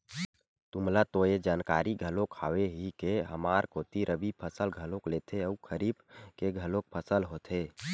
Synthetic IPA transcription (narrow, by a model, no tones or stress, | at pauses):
t̪ʊmlat̪oed͡ʒaːnkaːɾiɡʱəlokʰaːweɦikeɦəmaːɾkoːt̪iɾʔəbipʰəsəlɡʱəlokleːt̪ʰeəukʰəɾiːbkeɡʱəlok̚pʰəsəlɦot̪ʰe